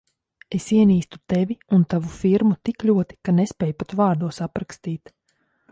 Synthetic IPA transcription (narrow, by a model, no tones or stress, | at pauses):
esiɛniːst̪u̥t̪evʲiunt̪avufiɾmut̪iklʲuɔt̪i̥kanespʲɛːjupat̪vaːɾd̪uɔsapɾakst̪iːt̪